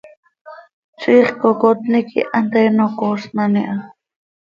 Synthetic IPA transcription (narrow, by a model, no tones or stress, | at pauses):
t͡siːχkokot̪nikḭʔant̪enokosnaniʔa